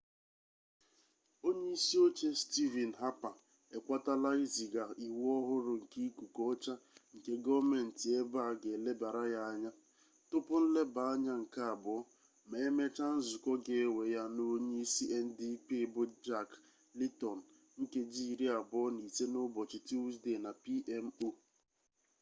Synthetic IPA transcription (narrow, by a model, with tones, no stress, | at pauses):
o˦ɲe˦i˦si˦o˦t͡ʃe˦sti˦vɛ˨n̩˨ɦa˦pa˨ | e˨kʷa˦ta˦la˦i˦zi˨ɡa˨i˨wɔ˦ɦʊ˦ɾʊ˨ŋ̩˨ki˦ku˨kɔ˦t͡ʃa˦ŋ̩˨ke˦ɡɔ˦me˨n̩˨ti˨e˦ba˦˨ɡe˨le˦ba˨ɾa˦ja˦a˦ɲa˦ | tʊ˦pʊ˦n̩˦le˦ba˨a˦ɲa˦ŋ̩˨ka˦a˨bɔ˨˦ | me˨e˦me˦t͡ʃa˦n̩˦zʊ˨kɔ˦ɡe˨e˦we˨ja˦no˦ɲe˦i˦si˦ʔe˦n̩˦di˦pi˦bʊ˦d͡ʒa˦k | li˦tɔ˨n̩˨ | ŋ̩˦ke˦d͡ʒi˦˨ɾi˦a˨bɔ˦ni˨se˦nʊ˦bɔ˨t͡ʃɪ˨ti˦u˦zde˨na˨pi˦ʔe˦m̩˦o˦